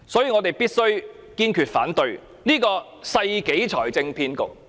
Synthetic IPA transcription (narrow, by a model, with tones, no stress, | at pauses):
sɔː˨˥jiː˧ŋɔː˨˧t̪e˨jpiː˥t̚sɵ˥ɥ | kiː˧˥nkʰy˨t̚fa̰ː˨˥nt̪ɵ˧ɥ | niː˥kɔː˧ | sɐ˧jke˨˥jt͡ʃʰɔː˨˩jt͡sɪ˧ŋpʰiː˧nkʊ˨k̚